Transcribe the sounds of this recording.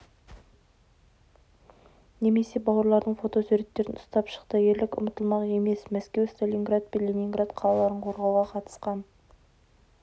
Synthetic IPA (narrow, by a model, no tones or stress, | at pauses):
ne̞me̞se̞bɑwəɾlˠɑɾd̪əɴfo̞t̪o̞sʉɾe̞t̪ːe̞ɾɪnʊst̪ɑpʃə̥qt̪əje̞ɾlɪkʲʊ̰mət̪əlˠmɑʁe̞me̞smæskʲe̞wst̪olʲiŋɡrat̪̚pʲelʲimʲiŋɡrat̪qʰɑlˠɑlˠɑɾəɴqʰo̞ɾʁɑwʁɑqʰɑt̪ə̥sqɑn